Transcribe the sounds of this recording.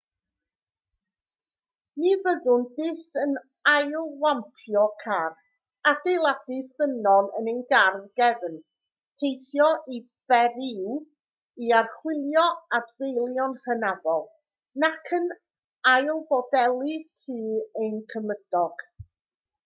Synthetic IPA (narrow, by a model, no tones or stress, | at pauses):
nivəðʊnbɨːθən | ajlˠwampʰjɔkʰar | adejlˠadifənɔnə̰nənɡarðɡɛvən | tʰejθjɔʔi | b̥ɛɾɪw | iarχwɪlˠjɔadvejlˠjɔnhənavɔlˠ | nakʰən | ajlˠbɔdɛlˠitʰɨːəjnkʰəməd̥ɔɡ̥